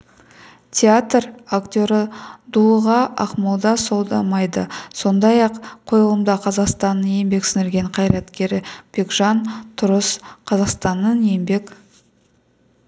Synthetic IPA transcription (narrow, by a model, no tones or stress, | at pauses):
t̪ʲʰeat̪rakt̪ʲo̞ɾəd̪uəʁɑʔɑqmɑlˠd̪ɑso̞lˠd̪ɑmɑjd̪əso̞nd̪ɑjɑqqʰːo̞jəlˠəmd̪ɑqʰɑzɑqst̪ɑnːənje̞mbe̞ksɪnɪlɾɡʲe̞ɴqʰɑjɾɑt̪kʲe̞ɾɪb̥eɡʒɑnt̪ʰʊɾəsqʰɑzɑqst̪ɑnːənje̞mbe̞k